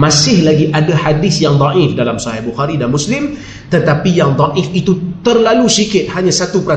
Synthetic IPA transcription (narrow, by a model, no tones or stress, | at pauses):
mãsɪhlaɡiʔadahadɪsjaŋd̪ˤɑʔɪfdalamsaɦɛhbuxaɾidanmũslɪm | t̪ət̪apijaŋd̪ˤɑʔɪfit̪ut̪ərlalusikɪt̪̚haɲãsat̪upəɾa